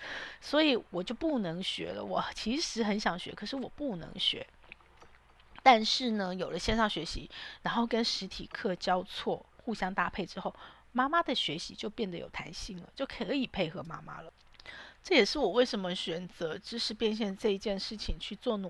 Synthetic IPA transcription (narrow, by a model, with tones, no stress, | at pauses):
swɔ˧˥i˨˩˦wɔ˨˩t͡ɕjo˥˧ʊpu˥˩nɤ˧˥ŋɕɥɛ̰˧˥lə̰˧wɔ˨˩t͡ɕʰi˧˥ʂɻ̩˧˥xə˧˥nɕjɑ˨˩ŋɕɥɛ̰˧˥kʰɤ˨˩ʂɻ̩˥˩wɔ˨˩pu˥˩nɤ̰˧˥ŋɕɥɛ̰˧˥ | t̪a˥˧nʂɻ̩˥˩nə˩jo˨˩ʊlə˦ɕjɛ˥˧nʂɑ˥˩ŋɕɥɛ˧˥ɕḭ˧˥ɻa˧˥nxo˥˩ʊkə˥nʂɻ̩˧˥t̪ʰi˨˩kʰɤ˥˩t͡ɕjɑ˥ʊt͡sʰwɔ˥˩xu˥˧ɕjɑ˥ŋt̪a˥˧pʰe˥˩ɪʈ͡ʂɻ̩˥xo˥˩ʊ | ma˥ma˥d̪ə˨ɕɥɛ˧˥ɕi˧˥t͡ɕjo˥˧ʊpjɛ˥˩nd̪ə˩jo̰˨˩ʊt̪ʰa̰˧˥nɕi˥˩ŋlə̰˩t͡ɕjo˥˩ʊkʰə˥i˨˩pʰe˥˩ɪxɤ˧˥ma̰˥ma̰˥lə˨˦ʈ͡ʂɤ˥˩jɛ˨˩ʂɻ̩˥˩wɔ˨˩we˥˩ɪʂə˧˥nmə˧ɕɥɛ˨˩nt͡sɤ˧˥ʈ͡ʂɻ̩˥ʂɻ̩˧˥pjɛ˥˧nɕ̬jɛ˥˧nʈ͡ʂɤ˥˧i˧˥t͡ɕjɛ˥˧nʂɻ̩˥˩t͡ɕʰi˨˩ŋt͡ɕʰy˥˧t͡swɔ˥˧n˨